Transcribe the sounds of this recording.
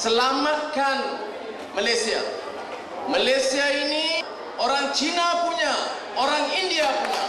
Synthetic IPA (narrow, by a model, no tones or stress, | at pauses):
səlamat̪̚kan | malasia̰ | malesiaini | oɾaŋt͡ʃinapuɲa | oɾaŋindiapuɲa̰